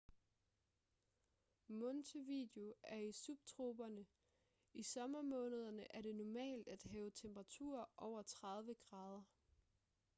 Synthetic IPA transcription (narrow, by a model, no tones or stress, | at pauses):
mɔnt͡sʰəʋḭd̥e̝o̝æɐisub̥̚t͡sʰʁo̝ːb̥ɐnə | isɒ̽mɐmɔ̽ːnəð̞ˠɐnəʔæɐd̥e̝nɒmɛ̰ːld̥æd̥ɦɛːʊət͡sʰemb̥ʁɑ̈t͡sʰṵɐ̰ʔɒʊ̰ɐt͡sʰʁɑ̈ð̞ˠʋəɡ̥ʁɑ̈ːð̞ˠɐ